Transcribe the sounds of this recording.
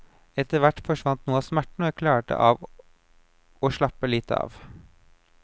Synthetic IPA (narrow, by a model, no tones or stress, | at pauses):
ɛt̪əʋæʈfɔʃʋɑnt̪nuːɑsmæʈɳ̩oːæɾkʰlæːʈə̰ʔɑ̰ːʋ | oːʃlɑpəliːt̪əɑ̰ːʋ